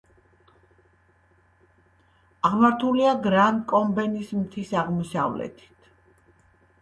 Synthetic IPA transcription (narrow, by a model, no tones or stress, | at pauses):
aʁmaɾt̪ʰuliaɡɾankʼɔmbɛnismt̪ʰisaʁmɔsa̰vlɛ̰t̪ʰi̥t̪ʰ